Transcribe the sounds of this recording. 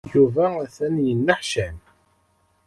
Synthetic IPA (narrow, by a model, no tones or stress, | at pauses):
juvææθænjənːəħʃæn